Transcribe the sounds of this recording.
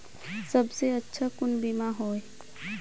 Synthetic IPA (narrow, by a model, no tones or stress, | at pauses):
sɐbseɐtːʃʰakʊnbimaɦoːe